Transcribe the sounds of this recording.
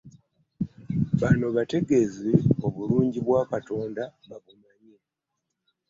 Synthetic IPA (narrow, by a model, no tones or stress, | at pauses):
βanoβate̞ɡe̞zeo̞βuluːɲɟiβwaːkato̞ːndaβaβumaɲe